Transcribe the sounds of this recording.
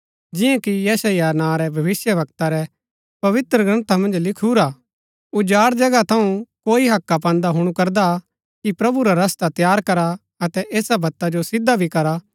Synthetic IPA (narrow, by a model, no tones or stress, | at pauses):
d͡ʒɪjãkijɛːsajanãːɾɛbʱɐʋɪsjəʋɐkt̪aɾɛ | pɐʋɪt̪ɾəɡɾɐ̃nt̪amɐ̃nd͡ʒlɪkʰuːɾaː | ʊd͡ʒaːɾd͡ʒɐɡat̪ʰɐũkoːiɦɐkːap̬ãːnd̪aɦʊɽ̃ukɐɾd̪a | kipɾɐbuɾaɾɐst̪at̪jaːɾkɐɾa | ɐt̪ɛʔeːsabʱɐt̪ːad͡ʒosɪd̪ːabʱikɐɾa